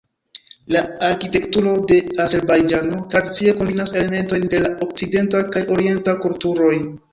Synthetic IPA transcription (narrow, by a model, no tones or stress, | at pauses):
laaɾkite̞ktuɾo̞de̞aze̞ɾbajd͡ʒano̞tɾadit͡sie̞ko̞mbinase̞le̞me̞nto̞jnde̞lao̞k̚t͡side̞ntakajo̞ɾie̞ntakultuɾo̞j